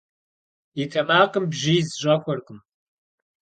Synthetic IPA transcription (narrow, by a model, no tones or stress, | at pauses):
itʰɐmaːqəmbʒiːzʒʷʼɐkʷɔrqʼəm